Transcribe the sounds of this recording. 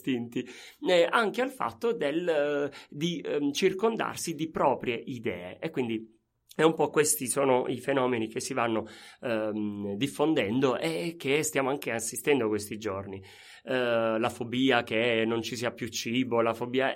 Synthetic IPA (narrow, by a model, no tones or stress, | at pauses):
t̪int̪i | aŋkealfa̰t̪ːod̪el | d̪it͡ʃirkond̪a̰rsid̪ipɾɔːpɾjeʔid̪ɛ̰ːḛʔekːwind̪i | ɛumpɔkwest̪isoːnoifenɔːmenik̟esːivanːo | d̪ifːond̪ɛnd̪oʔek̟ːest̪jaːmoaŋk̟easːist̪ɛnd̪okwest̪id͡ʒorni | lafobiːakenont͡ʃisiːapjut͡ʃːiːbolafobiːa